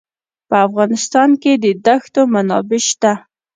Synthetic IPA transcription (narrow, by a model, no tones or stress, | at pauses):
pəafɣɑnɪst̪ɑnked̪əd̪axt̪omanɑbɪʃt̪a